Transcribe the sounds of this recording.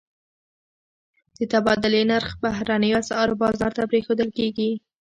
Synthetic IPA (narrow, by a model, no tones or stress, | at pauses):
d̪̥ət̪abɑd̪ʊlenaɾxbahɾanəjasɑɾbɑzɑɾt̪apɾexod̪əlkeɡi